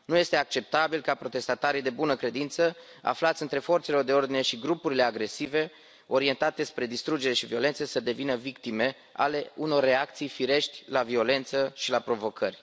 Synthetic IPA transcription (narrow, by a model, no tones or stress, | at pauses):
nuje̞st̪e̞ak̚t͡ʃe̞p̚t̪abilkapɾo̞t̪e̞st̪at̪aɾijd̪e̞bunəkɾe̞d̪int̪sə | a̰flat̪sʲɨnt̪ɾe̞fo̞rt̪selo̞rd̪e̞o̞rd̪ine̞ʃiɡɾupuɾile̞aɡɾe̞sive̞ | o̞ɾie̞nt̪at̪e̞spɾe̞d̪ist̪ɾud͡ʒe̞ɾe̞ʃivio̞le̞nt̪səsəd̪e̞vinəvikt̪ime̞ | a̰le̞uno̞rːe̞ak̚t̪sijfiɾe̞ʃt̪ʲlavio̞le̞nt̪səʃilapɾo̞vo̞kʰərʲ